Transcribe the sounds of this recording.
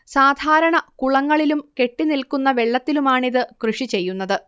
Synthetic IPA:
saːd̪ʱaːɾɐɳɐkuɭɐŋːɐɭilumke̞ʈːinilkunːɐʋe̞ɭːɐt̪ːilumaːɳiðɨkrɨʂit͡ɕe̞jːunːɐðɨ

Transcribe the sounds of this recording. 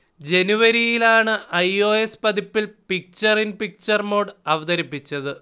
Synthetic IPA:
d͡ʑe̞nuʋɐɾijilaːɳɨʔɐjo̞ːespɐd̪ipːilpik̚t͡ɕɐrinpik̚t͡ɕɐrmo̞ːɖɐʋɐd̪ɐɾipːit͡ɕːɐðɨ

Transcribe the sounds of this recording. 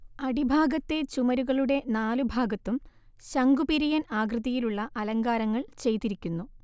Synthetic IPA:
ɐɽibʱaːɡɐt̪ːe̞t͡ɕumɐɾuɣɐɭuɽe̞naːlubʱaːɡɐt̪ːum | ɕɐŋɡupiɾijɐnaːɡrɨðɐjiluɭːɐʔɐlɐŋɡaːɾɐŋːɐɭt͡ɕe̞jt̪ːiɾikʲːunːu

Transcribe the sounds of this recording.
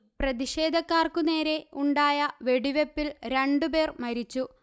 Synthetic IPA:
prɐðiɕe̞ːd̪ʱɐkːaːrkune̞ːɾe̞uɳɖaːjɐʋe̞ɽiʋepːilɾeɳɖupe̞ːrmɐɾit͡ɕːu

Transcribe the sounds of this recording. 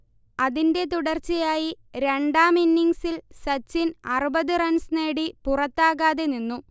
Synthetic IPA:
ɐðinde̞t̪uɽɐrt͡ɕːɐjaːji | ɾe̞ɳɖaːminːiŋɡsilsɐt͡ɕːinɐrubɐðɨrɐnsneːɽipurɐt̪ːaːɣaːðe̞ninːu

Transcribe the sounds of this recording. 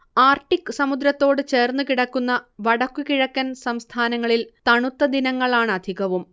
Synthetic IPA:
aːrʈːikːɨsɐmud̪ɾɐt̪ːo̞ːɽɨt͡ɕe̞ːrnːukiɽɐkːunːɐʋɐɽɐkːukiɻɐkːɐnsɐmst̪ʰaːnɐŋːɐɭilt̪ɐɳut̪ːɐd̪inɐŋːɐɭaːɳɐd̪ʱiɣɐʋum

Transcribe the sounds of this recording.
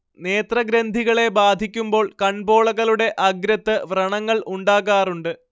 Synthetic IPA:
ne̞ːt̪rɐɡɾend̪ʱiɣɐɭe̞baːd̪ʱikʲːumbo̞ːɭkɐɳbo̞ːɭɐɣɐɭuɽe̞ʔɐɡɾɐt̪ːɨʋrɐɳɐŋːɐɭuɳɖaːɣaːruɳɖɨ

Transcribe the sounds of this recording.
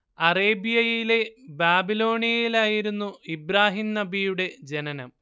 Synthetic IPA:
ɐreːbijɐjiile̞baːbilo̞ːɳijɐjilaːjiɾunːuibɾaːɦimnɐbijuɽe̞d͡ʑenɐnɐ̰m

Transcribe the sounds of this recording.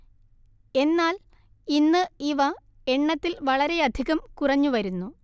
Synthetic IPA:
e̞nːaːl | inːɨiʋɐ | e̞ɳːɐt̪ːilʋɐɭɐɾe̞ɐd̪ʱiɣɐmkurɐɲːuʋɐɾunːu

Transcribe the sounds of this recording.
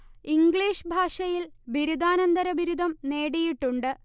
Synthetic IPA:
iŋɡɭiːʂbʱaːʂɐjilbiɾud̪aːnɐnd̪ɐɾɐbʱiɾud̪ʱɐmne̞ːɽijiʈːuɳɖɨ

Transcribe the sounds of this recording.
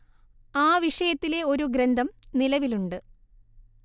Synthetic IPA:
aːʋiʂɐjɐt̪ːile̞o̞ɾuɡɾend̪ʱɐmnilɐʋiluɳɖɨ

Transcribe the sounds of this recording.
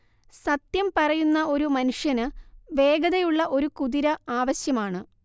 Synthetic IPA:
sɐt̪jɐmpɐrɐjunːɐo̞ɾumɐnuʂjɐnɨʋe̞ːɡɐðɐjuɭːɐʔo̞ɾukuðiɾɐaːʋɐɕjɐmaːɳɨ

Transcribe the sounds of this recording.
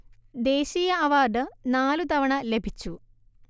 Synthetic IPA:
d̪e̞ːɕijɐɐʋaːrɖɨnaːlut̪ɐʋɐɳɐle̞bʱit͡ɕːu

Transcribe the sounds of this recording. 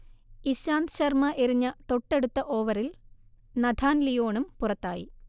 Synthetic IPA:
iɕaːnd̪ɕɐrmɐʔeɾiɲːɐt̪o̞ʈːe̞ɽut̪ːɐʔo̞ːʋɐɾil | nɐd̪ʱʰaːnlijo̞ːɳumpurɐt̪ːaːjḭ

